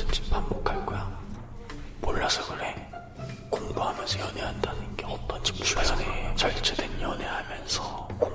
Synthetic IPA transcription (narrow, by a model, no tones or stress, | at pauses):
ɯmt͡ɕi̥pʰambokʰaɭk͈oja | moɭːasʰʌɡɯɾe | koŋboɦamjʌnsʰʌjʌneɦandanɯnɡeʌt͈ʌnd͡ʑi̥pp͈uaanet͡ɕaɭt͡ɕ͈ʰedwenjʌne̞hamjʌnsʰʌkoŋ